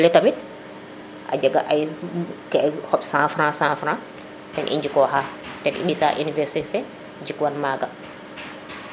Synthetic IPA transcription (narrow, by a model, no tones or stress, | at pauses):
lɛtamit | ʔa̰d͡ʒɛɡaʔajkɛhɔɓsãfɾãsãfɾã | tɛnʔḭɲd͡ʒikɔɦaː | tɛnʔḭɗisa̰ʔunivɛɾsitfɛ | d͡ʒikwanmaɡa